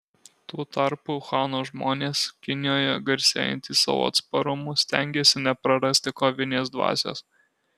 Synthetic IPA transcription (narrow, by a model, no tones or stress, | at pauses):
t̪uːt̪ɐɾpuxɑːnoːʒmoːnʲeːskʲɪnʲɪjoːjɛɡɐɾʲsʲḛːjɛ̰nʲt̪ʲiːsɑ̰ʋo̰ːɐ̰t̪spɐɾʊmʊsʲt̪ʲæˑŋʲɡʲeːsʲɪnʲɛpɾɐɾɐsʲt̪ʲɪkoːʋʲɪnʲeːsd̪ʋɑ̰ːsʲḛːs